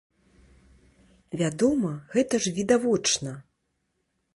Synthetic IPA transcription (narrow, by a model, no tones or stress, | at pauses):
vʲad̪ɔmɐɣɛt̪ɐʐvʲid̪avɔt͡ʂnɐ